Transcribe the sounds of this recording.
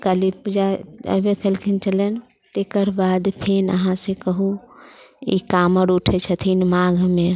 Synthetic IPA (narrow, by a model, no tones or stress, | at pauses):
kalipud͡ʒaə̰bekəlkʰint͡ʃəlɛn | t̪ekəɾbad̪pʰenə̰ɦãsekəɦu | ḭkaməɾuʈʰɛt͡ʃʰət̪ʰinmaɡʱme